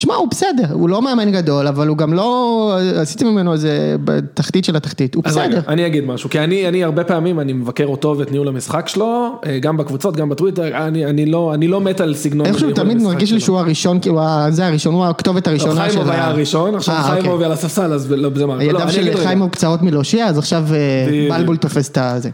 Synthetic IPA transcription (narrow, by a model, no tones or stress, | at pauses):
ʃmaubesede̞ʁulo̞meamenɡado̞lavaluɡamlo̞asit̪imimeno̞ezebḛt̪aχt̪it̪ʃe̞lat̪aχtit̪ubeseeʁaniaɡid̪maʃukianianiaʁbepeamimanimevakeʁot̪o̞vetniulamisχakʃeloeɡambakvut͡so̞t̪ɡambatʁwiteʁanianiloanilo̞met̪alsiɡnoeʃut̪amid̪maʁɡiʃliʃeuaʁiʃo̞nkiuazeaʁiʃo̞nuakt̪o̞vetaʁiʃonaʃmoajaʁiʃonaχʃavojmovialasasalazlobzemajaldavʃelajmokt͡sao̞tmiloʃiaːzaχʃavebalbult̪o̞fe̞se̥t̪aze